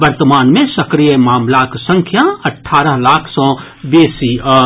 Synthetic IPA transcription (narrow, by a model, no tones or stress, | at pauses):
bəɾt̪əmaːnmẽsɐkɾijəmaːmlaːksɐ̃ŋkʰjaɐʈʰːaːɾəɦlaːkʰsɔ̃ː | beːsiə